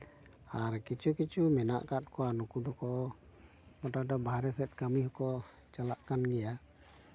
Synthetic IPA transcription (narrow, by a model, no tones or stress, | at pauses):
aɾkit͡ʃʰukit͡ʃʰumɛna̰ʔkat̪̚kɔanukud̪ɔkɔ | mɔʈaɖɔbʱaɾɛsɛt̪̚ˀkəmiɦɔkɔ | t͡ʃalaʔkanɡɛja